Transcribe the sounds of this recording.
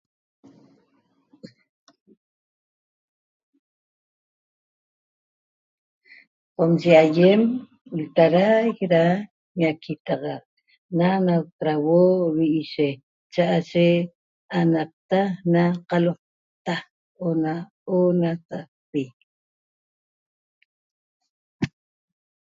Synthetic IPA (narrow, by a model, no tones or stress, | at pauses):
qomt͡ʃeajem | lt̪aɾajkɾa | ɲakʰit̪ɑʁɑʔ | nanawt̪ɾawowiʔiʃe | t͡ʃaʔaʃe | anap̚t̪anaqɑloq̚ | t̪a | ona | onat̪a | pi